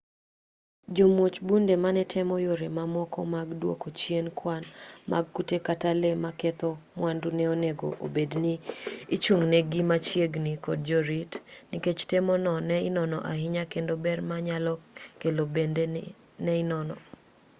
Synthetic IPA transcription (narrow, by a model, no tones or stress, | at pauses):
d͡ʒomwot͡ʃbundemanɛtʰɛmɔjoɾemamɔkɔ̰maɡdwo̰kot͡ʃjenkwanmʔa̰ɡ̚kutekatalemakɛt̪ɔmwandunɛoneɡo̰ʔo̰bedniːt͡ʃuŋnɛɡimat͡ʃjeɡnikɔd̚d͡ʒoɾitniket͡ʃtemɔnɔnɛɪnɔnɔ̰ʔaɦɪɲakendobɛrmaɲalɔkelobende | nɛɪnɔnɔ